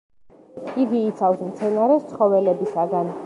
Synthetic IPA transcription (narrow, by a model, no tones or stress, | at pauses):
iɡiːt̪sʰafsmt̪sʰɛnaɾɛst̪sʰχɔvɛlɛbisaɡan